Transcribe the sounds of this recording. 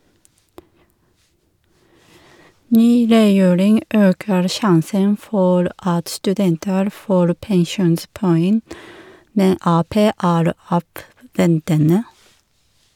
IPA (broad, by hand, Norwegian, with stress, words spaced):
ˈnyː ɾɛˈjeːɾɪŋ ˈøːkəɾ ˈʃɑnsən ˈfɔɾ ˈɑt stʉˈdɛntəɾ ˈfoːɾ pɛŋˈʃuːnspɔˌɛŋ ˈmɛn ˈɑːˌpeː ˈæːɾ ˈɑːʋˌʋɛntənə